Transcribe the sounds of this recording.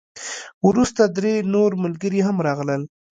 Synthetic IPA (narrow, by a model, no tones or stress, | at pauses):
wɾust̪ad̪ɾenoɾmʊlɡəɾiɦamɾɑɣləl